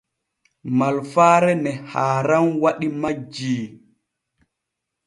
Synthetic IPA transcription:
malfaːɾɛnɛhaːɾanwaɗimad͡ʒiː

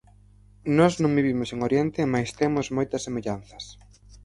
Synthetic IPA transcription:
nɔznõŋbiβimʊseŋoɾjent̪ɪmajst̪emʊzmojt̪ɐsːemeʎan̟θɐs

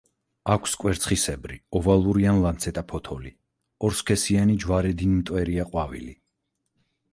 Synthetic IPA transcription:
akʷʰskʼwɛɾt̪sʰχisɛbɾiɔvalˠuɾianlant̪sʰɛt̪ʼapʰɔt̪ʰɔli | ɔɾskʰɛsianid͡ʒwaɾɛd̪inmt̪ʼwɛɾiaqʼwavḭli

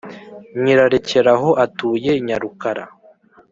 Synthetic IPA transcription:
ɲiɾaɾece̞ɾaɦo̞ʔatuːje̞iɲaɾukaɾa̰

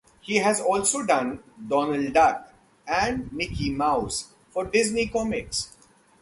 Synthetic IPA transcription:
hiːɦæzɔːlsoːɖʌ̃nɖɔːnəlɖɖaɾk | æ̃ɳɖnɪkʰimaʊs | fɔːɾɖɪznikɔmɪks

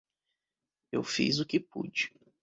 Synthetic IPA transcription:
ewfḭzʊkɪpṵd͡ʒɪ̥

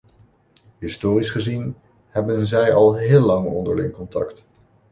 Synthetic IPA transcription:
ɦɪstoːrisχəzin | ɦɛbənzɛjɑlˠɦɪːlːɑŋɔ̰ndə̰ɹlɪ̰ŋkɔntɑ̰kt

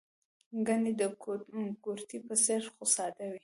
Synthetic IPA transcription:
ɡanid̪əɡuɾt̪ipəseɾxosɑd̪awi

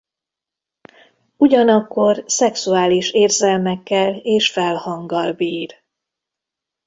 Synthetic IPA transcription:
uɟɒnɒkːo̞rsɛksuaːliʃeːrzɛlmɛkːɛleːʃfɛlhɒŋɡɒlbiːr

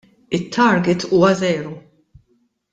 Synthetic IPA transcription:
ɪt̪ʰːɐɾɡɪt̪uːwɐzɛːɾɔ

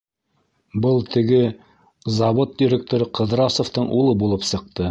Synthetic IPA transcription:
bɤlˠt̪ʰɘ̆ɡɘ | zɑβot̪̚dʲiɾʲek̚t̪oɾɤqɤ̆ðɾɑsoft̪ɤɴʔulˠɤbulˠɤpsɤ̆q̚t̪ɤ

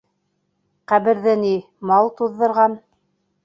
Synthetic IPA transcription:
qæβɘ̆ɾðɘni | mɑlˠt̪uðːɤ̆ɾʁɑn

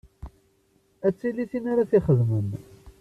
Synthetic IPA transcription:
æt͡sːiliθinaɾaθiχəðmən

